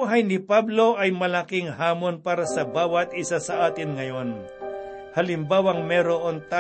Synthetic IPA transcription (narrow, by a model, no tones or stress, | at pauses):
ɦɐjnɪpablo̞ʔɐjmɐlakɪŋhaːmo̞npaːɾɐsɐbaːwɐt̪̚ʔɪsasɐʔaːt̪ɪnŋɐjo̞n | hɐlɪmbaːwɐŋmɛɾoʔont̪a